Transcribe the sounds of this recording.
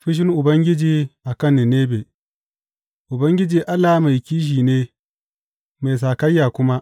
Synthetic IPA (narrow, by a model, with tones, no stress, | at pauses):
ɸɪ˦ʃ̬ɪ˦ŋʔʊ˨bɐ˦ŋɡʲɪ˦d͡ʒiː˨ʔa˨kɐ˦˨nːɪ˨neː˦beː˨ | ʔʊ˨bɐ˦ŋɡʲɪ˦d͡ʒiː˨ʔa˦lːa˨˦ma˨jkʲiː˦ʃ̬iː˨neː˦ | ma˨js̬aː˨kɐ˦jːaː˨kʷʊ˦ma˦ʔ